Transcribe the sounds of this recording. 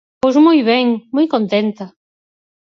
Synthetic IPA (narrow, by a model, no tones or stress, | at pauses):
posmɔjβɛŋmojkont̪ent̪ɐ